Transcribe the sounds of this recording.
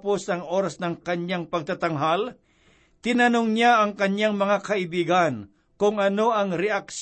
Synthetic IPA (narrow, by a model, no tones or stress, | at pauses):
posɐŋʔo̞ːɾasnɐŋkɐɲjaŋpɐɡ̚t̪at̪aŋɦal | t̪ɪnɐnoŋɲjaʔɐŋkɐɲjaŋmɐŋakɐʔɪbiːɡan | kʊŋɐno̞ɐŋɾɛakʃ